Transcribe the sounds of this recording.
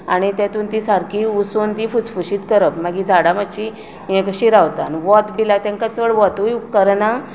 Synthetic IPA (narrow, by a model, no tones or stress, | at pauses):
aɽ̃it̪jãt̪uːnt̪isaɾkʰiusont̪ifut͡sfuɕiːt̪kəɾəpmaɡid͡zʱaɽaməɕi | jẽkəɕiɾawt̪anʋɔt̪bilat̪ãŋkat͡səɭʋɔt̪ujukəɾna